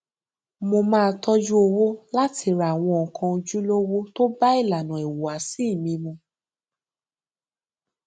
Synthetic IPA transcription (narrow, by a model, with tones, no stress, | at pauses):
mo˧mãː˦˧tʰɔ˦d͡ʒu˦o˧wo˦la˦ti˧ɾa˨w̃ɔ̃˧ɔ˨kʰã˧d͡ʒu˦lo˦wo˦to˦ba˦i˦˨la˨nã˨ɛ˨wo˨a˨˦si˦˨mĩ˧mũ˧